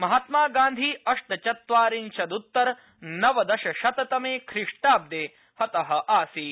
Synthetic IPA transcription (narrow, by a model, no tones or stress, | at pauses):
mɐɦat̪maːɡãːnd̪ʱiːɐʂʈɐt͡ʃɐt̪ʋaːɾinʃɐd̪ut̪ːɐɾ | nɐʋɐd̪ɐʃɐʃɐt̪ɐt̪ɐmeːkʰɾɪʂʈaːb̚d̪eː | hɐt̪ɐɦɐ̆ʔaːsi